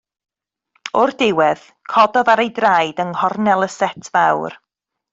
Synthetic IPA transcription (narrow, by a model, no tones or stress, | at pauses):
ʊrdɪwɛð | kʰɔdɔðaɾejdrajdəŋhɔrnɛlˠəsɛtʰvawr